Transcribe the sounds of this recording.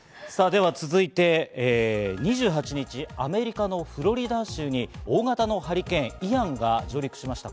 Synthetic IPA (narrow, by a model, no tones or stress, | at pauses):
saːd̪e̞β̞at͡sɨzɨit̪e̞eɲ̟iʑɨːɦat͡ɕiɲ̟it͡ɕiame̞ɾʲikano̞ɸɯ̟ɾo̞ɾʲid̪aɕɨːɲ̟io̞ːɡat̪ano̞haɾʲikẽ̞ɰ̃iɾãŋɡad͡ʑo̞ːɾʲikɯ̟̥ɕimaɕi̥t̪a